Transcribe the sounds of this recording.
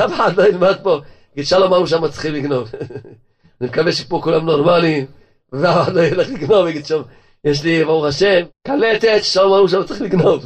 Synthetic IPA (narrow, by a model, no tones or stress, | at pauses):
avaad̪lailmad̪̚poaɡid̪ʃalomauʃ̬amat͡si̥χimliɡno̞v | animekaveʃepokulamnoʁmali | vevavaad̪lojeleχliɡnovaɡid̪ʃam | jeʃ̬livauʁaʃemkalet̪et̪ʃalomauʃ̬amat͡simliɡnov